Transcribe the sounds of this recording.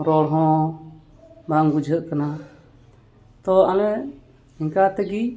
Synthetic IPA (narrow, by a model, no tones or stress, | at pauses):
ɾɔɽɦɔ̃ | baŋɡud͡ʒʱət̪̚kana | t̪ɔalɛ | iŋkat̪ɛɡi